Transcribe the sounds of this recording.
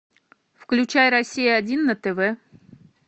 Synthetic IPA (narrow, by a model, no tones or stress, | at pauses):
fklʲʊt͡ɕajɾɐsʲijəɐdʲinːɐt̪ɛvɛ